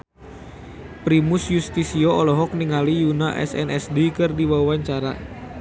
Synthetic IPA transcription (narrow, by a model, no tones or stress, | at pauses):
pɾimusjust̪isioɔlɔɦɔk̚niŋalijunaʔɛ̰sɛ̰nɛsdikɨrdiwawaɲt͡ʃaɾa̰